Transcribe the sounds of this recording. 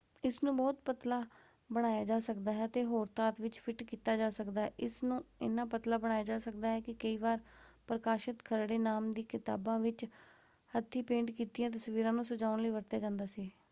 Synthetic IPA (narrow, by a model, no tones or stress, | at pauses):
ɪsnũːbɔːt̪pət̪laː | bəɽ̃aːjaːd͡ʒaːsəkd̪aːɦɛːət̪eːɦoːɾt̪aːt̪ʋɪt͡ʃpʰɪʈkiːt̪aːd͡ʒaːsəkd̪aːʔɪsnũːɪnãːpət̪laːbəɽaːjaːd͡ʒaːsək̚d̪aːɦɛːkɪkəiːʋaːɾpɾəkaːʃɪt̪kʰəɾɽeːnaːmd̪iːkɪt̪a̰ːbãːʋɪt͡ʃ | hət̪ʰːiːpẽːɳɖkiːt̪ijãːt̪̬əsʋiːɾãːnũːsʊd͡ʒaːʊɳləiːʋəɾt̪jaːd͡ʒãːnd̪aːsiː